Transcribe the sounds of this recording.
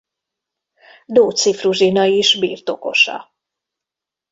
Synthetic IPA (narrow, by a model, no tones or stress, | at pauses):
d̪oːt̪sifruʒinɒiʒbḭːrt̪o̞ko̞̰ʃɒ̰